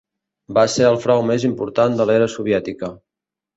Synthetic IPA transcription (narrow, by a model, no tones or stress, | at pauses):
baseɾəlˠfɾawmezimpuɾt̪and̪əlɛɾəsuβ̞jɛt̪ikə